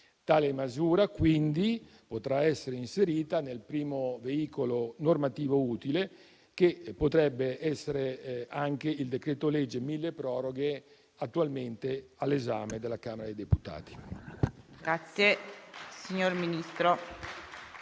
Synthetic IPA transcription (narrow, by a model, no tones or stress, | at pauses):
t̪aːlemazuːɾakwind̪i | pot̪ɾaɛsːeɾeinseɾiːt̪anelpɾiːmoveiːkolonormat̪iːvouːt̪ile | k̟epːot̪ɾɛbːeʔɛsːeɾeaŋk̟eild̪ekɾeːt̪olɛd͡ʒːemilːepɾɔːɾoɡe | at̪ːualment̪ealːezaːmed̪elːakaːmeɾad̪ejd̪eput̪a̰ːt̪i̥ | ɡɾat̪sjesiɲoɾminist̪ɾo